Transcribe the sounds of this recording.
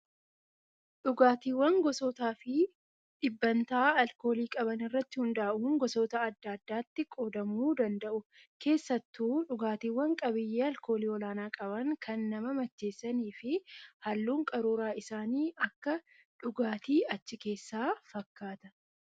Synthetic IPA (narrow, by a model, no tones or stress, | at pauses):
ᶑʊɡaːt̪iːwːɐŋɡɔsoːt̪aːfɪ | ᶑɪbːɐnt̪aːɐlko̞ːliːkʼɐbɐnɪrːɐt̪ːɪhʊnd̪aːʔʊŋɡɔsoːt̪ɐːd̪ːaːd̪ːaːt̪ːɪkʼoːd̪ɐmuːd̪ɐnd̪ɐʔʊ | ke̞ːsːɐt̪ːuːᶑʊɡaːt̪iːwːɐŋkʼɐbɪjːeːɐlko̞ːliːɔlaːnaːkʼɐβɐŋkʰɐnːɐmɐmɐt͡ʃːe̞ːsːɐniːfɪhɐlːuːŋkʼɐɾuːɾaːɪsaːniːʔɐkːɐ | ᶑʊɡaːt̪iːɐt͡ʃːɪke̞ːsːaːfɐkːaːt̪ɐ̥